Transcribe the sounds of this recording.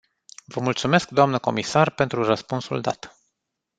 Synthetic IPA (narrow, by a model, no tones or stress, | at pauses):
vəmult̪sume̞skd̪oamnəko̞misarpe̞nt̪ɾurəspunsṵld̪a̰t̪